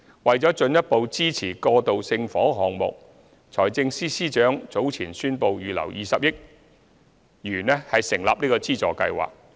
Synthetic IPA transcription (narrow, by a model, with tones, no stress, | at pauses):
wɐ˨jt͡sɔː˨˥t͡ʃɵ˧njɐ˥t̚po˨˧wt͡siː˥t͡sʰiː˨˩kɔː˧t̪o˨wsɪ˧ŋfɔː˨˥ɦɔː˨ŋmʊ̰˨k̚ | t͡sʰɔː˨˩jt͡sɪ˧ŋsiː˥siː˥t͡ʃœː˨˥ŋt͡so˨˥wt͡sʰiː˨˩nsyː˥npo˨˧wjyː˨˩lɐ̰˨˩wjiː˨sɐ˨p̚jɪ˥k̚ | jyː˨˩nɛː˥hɐ˨jsɪ˨˩ŋlaː˨p̚niː˥kɔː˧t͡siː˥t͡sɔː˨˩kɐ̰˧jwa̰ː˨k̚